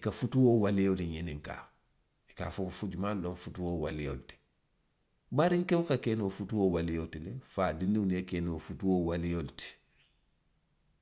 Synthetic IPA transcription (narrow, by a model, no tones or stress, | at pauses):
ikafutuwoːwalejoliɲenĩŋka̰ː | ikaːfokofud͡ʒumalõɱfutuwowalejo̰luti̥ | baɾiŋkewukakeːnofutuwowalejotilefaːdĩndinekɛːnofutuwowalijoluti̥